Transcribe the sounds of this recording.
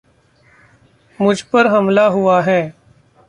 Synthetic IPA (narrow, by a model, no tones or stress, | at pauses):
mʊd͡ʒʱpəɾɦɐmlaɦʊaɦɛː